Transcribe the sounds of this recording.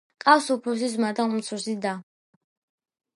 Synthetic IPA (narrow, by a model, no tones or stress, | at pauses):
kʼafsupʰɾus̬is̬mad̪aumt̪sʰuɾsid̪a